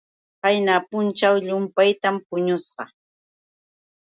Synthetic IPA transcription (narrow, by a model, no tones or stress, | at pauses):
pajnapʊnt͡ʃawʎʊmpajt̪ampʊɲʊsɢɑ